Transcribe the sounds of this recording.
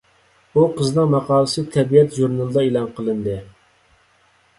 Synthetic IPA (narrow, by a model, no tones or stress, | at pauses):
uqʰəznɨŋmɑqʰɑːlˠɨsɨt̪ʰɛbijɛt̪ʒuɾnɑlˠɨd̪ɑelˠɑnqʰəlˠɨnd̪ɨ